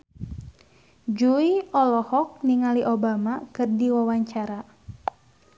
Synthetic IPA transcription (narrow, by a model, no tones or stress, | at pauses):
d͡ʒuiɔlɔhɔk̚niŋaliʔobamakɨrdiwawaɲt͡ʃaɾa